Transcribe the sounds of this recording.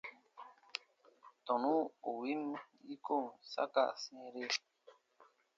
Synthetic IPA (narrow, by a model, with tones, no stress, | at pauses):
t̪ɔ˨nũ˦o˨wi˦m | i˦ko˦˨ŋsa̰˦ka̰˦˨sẽ˨ɾe˦